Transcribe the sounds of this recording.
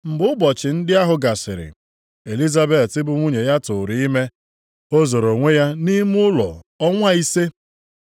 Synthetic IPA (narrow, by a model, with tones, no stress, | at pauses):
m̩˨bʊ˦ʊ˦bɔ˨t͡ʃɪ˨n̩˦dɪ˦a˦ɦʊ˨ɡa˨sɪ˨ɾɪ̰˨ | e˨li˦za˦be˨ttɪ˦bʊ˦ŋʷu˦ɲe˨ja˦tʊ˨ɾi˨i˦me˦ | o˦zo˨ɾo˨ŋʷe˦ja˦ni˦m˦ʊ˦lɔ̰˨ | ɔ˦ŋʷa˦i˦se˦